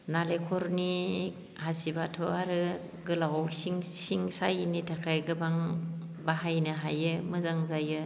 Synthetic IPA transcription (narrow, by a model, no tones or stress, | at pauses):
nalekʰɔɾni | hasibatʰɔaɾɯ | ɡɯlawsiŋsiŋsajnitʰakʰajɡɯbaŋ | baɦajnɯɦajɯmɯzaŋzajɯ